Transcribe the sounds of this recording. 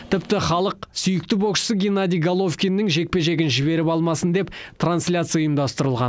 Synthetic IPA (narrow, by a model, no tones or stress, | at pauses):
t̪ʰɪpt̪ɪχɑlˠəqsʏjɪk̚t̪ɪboʃə̥səɡʲenad̪ʲijɡalˠofkʲinːɪŋʒe̞k̚pe̞ʒe̞ɡʲɪnʒɪβe̞ɾɪpɑlˠmɑsənd̪e̞pt̪ʰranslʲat̪sɨjʊjəmd̪ɑst̪əɾəlˠʁɑ̰n